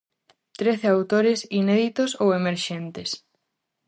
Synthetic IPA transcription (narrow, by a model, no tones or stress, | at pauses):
t̪ɾeθeawt̪oɾesineðit̪osowemeɾʃent̪es